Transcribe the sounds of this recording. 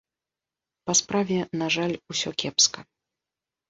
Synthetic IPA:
pɐspɾavʲɛnaʐalʲusʲɔkʲɛpskɐ

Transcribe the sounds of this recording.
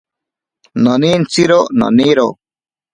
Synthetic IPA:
nɐnint͡siɾonɐ̰niɾo̰

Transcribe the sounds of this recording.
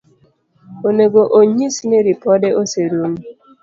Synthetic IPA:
oneɡoʔoɲisineɾipɔdeʔoseɾum̩

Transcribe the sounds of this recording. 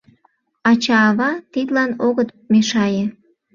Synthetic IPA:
ɑt͡ɕɑːβɑt̪id̪lɑnoɣət̪ | meʃɑjĕ

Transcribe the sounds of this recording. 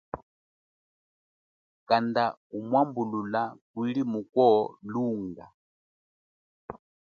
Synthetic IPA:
kandakumwambululakwilimukɔluːŋɡa

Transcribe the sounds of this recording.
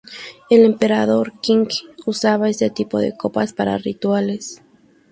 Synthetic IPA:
e̞le̞mpe̞ɾaðo̞ɾkiŋkusaβae̞set̪ipo̞ðe̞̰ko̞paspaɾa̰rit̪wale̞s

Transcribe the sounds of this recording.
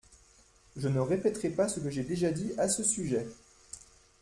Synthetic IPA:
ʒənəʁepɛt̪χɛpasəkəʒɛd̪eʒad̪iasəsyʒɛ

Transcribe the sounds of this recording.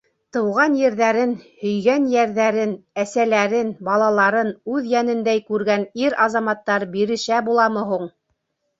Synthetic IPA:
t̪ɤ̆wʁɑnjɘ̆ɾðæɾɘnhɵ̆jɡænjæɾðæɾɘnæsælæɾɘnbɑlˠɑlˠɑɾɤnʉðjænɘ̆nd̪æjkʉɾɡæniɾɑzɑmɑt̪ːɑɾbiɾɘ̆ʃæbulˠɑmɤ̆ɦuɴ

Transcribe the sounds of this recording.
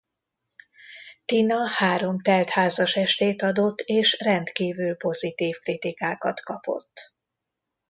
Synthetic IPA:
t̪inɒhaːɾo̞mt̪ɛlt̪haːzɒʃɛʃt̪eːt̪ɒd̪o̞t̪ːeːʃrɛnt̪kiːvylpo̞zit̪iːfkrit̪ikaːkɒ̰t̪kɒpo̞̰t̪ː

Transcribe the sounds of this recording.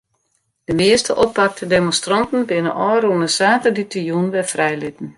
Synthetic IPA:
d̥əmɪəstəʔɔpːak̚tʰədemõnstrɔntn̩bɪnəʔɔːrunəsaːtərditijunʋɛfrɛjlɪtn̩

